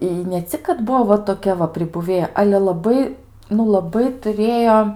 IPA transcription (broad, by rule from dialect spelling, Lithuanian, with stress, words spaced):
ɪ nʲɛ ˈt͡sʲɪk kɐt ˈbʊʋoː ʋɐ toːˈkʲɛ ʋɐ pʲrʲɪbʊˈʋʲeːjɛ ˈɑːlʲɛ lˠɐˈbɐɪ nʊ lˠɐˈbɐɪ tʊˈrʲeːjoː